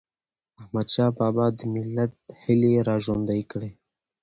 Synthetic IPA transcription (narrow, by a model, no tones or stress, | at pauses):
ahmad̪ʃaːbaːbɑːd̪mɪlːat̪̚hiliɾaːʒond̪ajkɽe